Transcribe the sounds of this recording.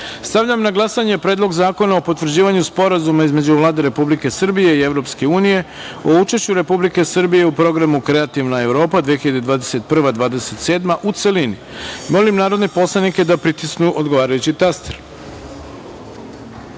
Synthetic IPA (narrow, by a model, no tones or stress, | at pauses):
st̪aʋʎamnaɡlˠasaɲe̞pɾeːd̪loɡzaːko̞naopo̞t̪vr̩d͡ʑiːʋaɲuspo̞ɾazumaizme̞d͡ʑuʋlˠaːd̪e̞ɾe̞publike̞sɨr̩bije̞ie̞ʋɾo̞pske̞uːnije̞ | o̞ut͡ʃeʃt͡ɕuɾe̞publike̞sɨrbije̞upɾo̞ɡɾamukɾe̞at̪iʋnae̞ʋɾo̞ːpad̪ʋijexiʎad̪ed̪ʋaːd̪ese̞t̪̚pr̩ʋad̪ʋaːd̪e̞se̞t̪se̞ːd̪maʔut̪se̞lini | mo̞limnaːɾo̞d̪nepo̞slˠanike̞d̪apɾit̪isknuʔo̞d̪ɡoʋaːɾajut͡ɕit̪ast̪eɾ